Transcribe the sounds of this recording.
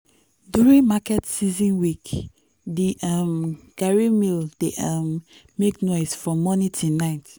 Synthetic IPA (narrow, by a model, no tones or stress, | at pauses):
djuɹĩnmakɛtsizĩnwik | diʔamɡ̥aɹimild̥eʔam | meknɔɪsfɹɔ̃mːɔnĩtʰunaɪt